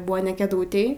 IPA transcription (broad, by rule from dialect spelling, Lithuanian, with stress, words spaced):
ˈbʊɐ nʲɛ kʲɛˈduːtʲeːj